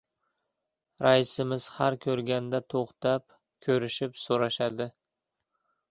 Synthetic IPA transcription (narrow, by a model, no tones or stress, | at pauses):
ɾaɪsɪmɪz̥haɾkʲʰɵɾɡʲand̪at̪ʰoχt̪ap | kʲʰɵɾɪʃɪpsoɾɑʃad̪ɪ